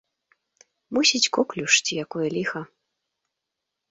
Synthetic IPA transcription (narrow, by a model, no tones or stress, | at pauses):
musʲit͡sʲkɔklʲuʂt͡sʲijakɔjɐlʲixɐ